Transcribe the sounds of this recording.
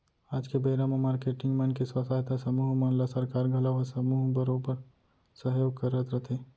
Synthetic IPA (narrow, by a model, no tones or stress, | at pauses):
aːd͡ʒkebeːɾamɐmaːɾkeːʈɪ̃ŋɡmɐnkeswɐt̪ʰaːjt̪ʰasɐmuːɦmɐnlasɐɾkaːɾɡʱɐlaʋəsɐmuːɦbɐɾõpɐɾ | sɐɦjoːɡ̚kɐɾːət̪ɾɐt̪ʰeː